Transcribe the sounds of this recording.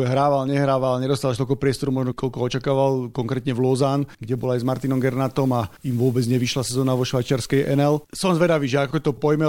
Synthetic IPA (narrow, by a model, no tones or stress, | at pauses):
ɦɾaːʋalɲɛɦɾaːʋalɲɛd̪ɔst̪aːlaʃt̪ɔlkɔpɾɪɛst̪ɔɾumɔʒnɔkɔʎkɔɔt͡ʃakaːʋalkɔŋkɾɛːt̪ɲɛvlɔzanɡɟɛbɔlajzmaɾt̪inɔmɡɛɾnat̪ɔmaimʋʊɔbɛd͡zɲɛʋiʃlasɛzɔːnaʋɔʃʋajt͡ʃaɾskɛjʔɛnɛlsɔanzʋɛd̪aʋiːʒɛakɔt̪ɔpɔjmɛ